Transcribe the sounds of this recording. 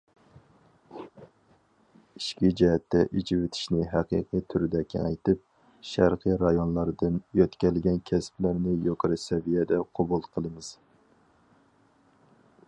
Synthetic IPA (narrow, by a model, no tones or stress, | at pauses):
iʃkʲid͡ʒɛɦɛt̪ːɛʔid͡ʒiwɪt̪ʰɪ̥ʃnɪɦæqḭqʰɨt̪ʰyɾɪd̪ɛkʲɛjt̪ɨp̚ | ʃæɾqʰɨɾɑjonlˠɑɾd̪ɨnjøt̪kʲɛlɪɡʲɛnkʲʰɛsplæɾnɪjoqʰəɾɨsɛvijɛd̪ɛqʰobulˠqʰəlˠɨmɨz̥